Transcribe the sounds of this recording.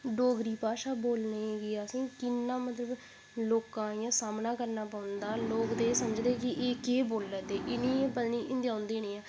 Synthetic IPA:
ɖoːɡɾiːpaːʃaːboːlneːɡeːəsĩːkɪnːãːmət̪ləb | loːkãːjãːsaːmnaːkəɾnaːpaːʊnd̪aːloːkd̪eːsəməd͡ʒd̪eːkɪʔeːkeːboːlːəd̪eːʔɪnĩːpəd̪niːʔɪ̃nd̪ãːʊnd̪eːneːãː

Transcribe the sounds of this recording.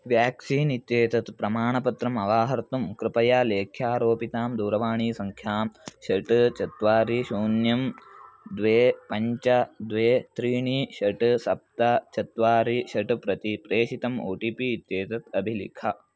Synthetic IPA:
ʋjaːksiːnit̪jeːt̪ɐt̪pɾɐmaːɳɐpɐt̪ɾɐmɐʋaːɦɐɾt̪umkɾɪpɐjaːleːkʰjaːɾoːpit̪aːmd̪uːɾɐʋaːɳiːsɐŋkʰjaːmʃɐʈɨt͡ʃɐt̪ʋaːɾiʃuːnjɐmd̪ʋeːpɐɲt͡ʃɐd̪ʋeːt̪ɾiːɳiʃɐʈsɐp̚t̪ɐt͡ʃɐt̪ʋaːɾiʃɐʈɨpɾɐt̪ipɾeːʃit̪ɐmo̰ːʈipiːt̪jeːt̪ɐt̪ɐbʱilḭkʰɐ

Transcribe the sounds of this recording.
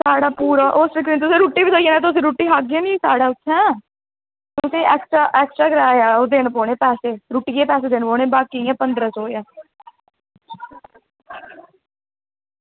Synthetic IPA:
saːɽaːpuːɾaːʔosfɪkɾĩːt̪ʊsẽːɾuːʈːiːʋiːsoːieːnɛ̃ːt̪ʊs̬ẽːɾuːʈːiːɦaːɡeːniiːsaːɽaːʊtːʃʰɛ̃ː | t̪ʊsẽːʔɛːksʈɾaːʔɛːksʈɾaːɡɪɾaːjaːoːd̪eːnpoːɽ̃eːpɛːseːɾuːʈiːeːpɛːs̬eːd̪eːnpoːɽeːbaːkiːjɛ̃ːpənd̪ɾəsɔːjaː

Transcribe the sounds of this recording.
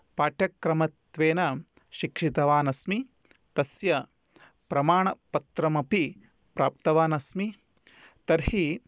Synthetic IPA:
paːʈjɐkɾɐmɐt̪ʋeːnɐ | ʃikʂit̪ɐʋaːnɐsmit̪ɐsjɐ | pɾɐmaːɳɐpɐt̪ɾɐmɐpi | pɾaːp̚t̪ɐʋaːnɐsmi | t̪ɐɾhi

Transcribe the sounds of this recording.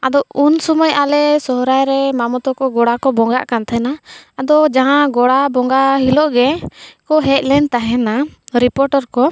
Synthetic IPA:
ad̪ɔunsɔmɔjalɛsɔɦɾajɾɛmamɔt̪ɔkɔɡɔɽakɔbɔŋɡa̰ʔkant̪ʰɛnaːd̪ɔd͡ʒaɦãɡɔɽabɔŋɡaɦilɔʔɡɛkɔɦɛc̚lɛnt̪aɦɛnaɾipɔɾʈɔɾkɔ

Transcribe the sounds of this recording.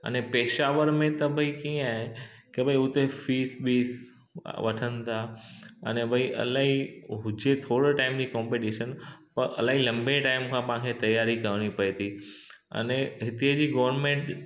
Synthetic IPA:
ə̰nepeːʃaːʋəɾmẽt̪ɐbʱɐikĩaːɦe | kebʱɐiʊt̪efiːsɓiːs | ʋɐʈʰənt̪ʰaɐ̰nebʱɐiʔɐ̰laːɦiɦʊd͡ʑet̪ʰoːɽʈaːɪmd͡ʑiːkɔ̃ːmpeʈiʃənpɐɾʔɐ̰laːɦilɐ̃mbeʈaːɪmkʰãpɐ̃ãkʰet̪ɐjaːɾikɐɾɽ̃ipɐet̪ʰi | ɐ̰neɦɪt̪iəd͡ʑiːɡɐːʋəɾnmẽɳʈ

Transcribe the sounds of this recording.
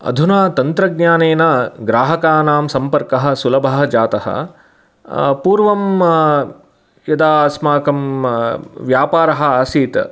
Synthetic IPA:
ɐ̰d̪ʱunaːt̪ɐnt̪ɾɐɡ̚njaːneːnɐɡɾaːɦɐkaːnaːmsɐmpɐɾkɐɦɐ̆sulɐbʱɐɦɐd͡ʒaːt̪ɐhɐ̰ | puːɾʋɐm | jɐd̪aːɐsmaːkɐm | ʋjaːpaːɾɐɦɐ̆aːsiːt̪

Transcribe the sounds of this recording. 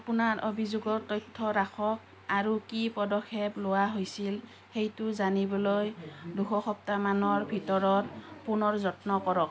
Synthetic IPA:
apunaɹʔobʱizuɡɔɹtɔjtʰːɔɹaxʰɔk̚ | aɹukipɔdɔkʰːeblowaɦojsil | xejtʊzanibɔlɔjduxɔxɔp̚tamanɔɹbʱitɔɹɔɹpunɔɹzɔtnɔkɔɹɔk̚

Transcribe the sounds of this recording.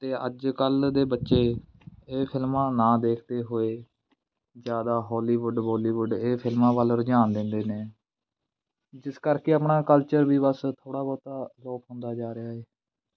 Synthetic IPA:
t̪eːʔə̰d͡ʒkəld̪eːbətːʃeː | eːpʰɪlmãːnãːd̪eːkʰt̪eːɦoːeː | d͡ʒjaːd̪aːɦɔːliːʋʊɖbɔːliːʋʊɖeːpʰɪlmãːʋəlɾd͡ʒaːnd̪ɪ̃nd̪eːneː | d͡ʒɪskəɾkeːəpnaːkəlt͡ʃəɾbiːbəst̪ʰoːɽaːbɔːt̪aːloːkʰɦʊ̃nd̪aːd͡ʒaːɾɪaːɦeː

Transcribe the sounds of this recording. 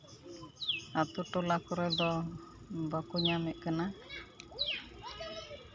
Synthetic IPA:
at̪uʈolakɔɾɛd̪ɔ | bakuɲamɛt̪̚kana

